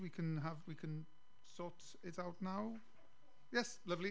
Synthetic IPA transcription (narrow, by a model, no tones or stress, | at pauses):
wikʰə̃nəvwikʰə̃n | sɔˑt | ɪtaʊtⁿnaʊ | jɛslʌvli